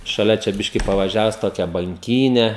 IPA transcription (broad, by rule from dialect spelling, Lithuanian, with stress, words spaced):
ʃɐˈlʲɛ t͡ʃʲɛ ˈbʲɪʃʲkʲɪ pɐʋɐˈʒʲæːʋʊs ˈtoːkʲɛ bɐŋʲˈkʲiːnʲɛ